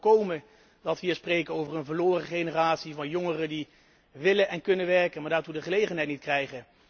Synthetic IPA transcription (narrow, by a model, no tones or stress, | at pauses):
kowmə | dɑtʋiːsprejkənowvərənvəɹloːrəχejnəraːtsivɑnjoŋərədi | ʋɪlənɛnkɵnənʋɛɹkənmaːɹdaːɹtudəχəlejχənɦɛjtnit̚krɛjχə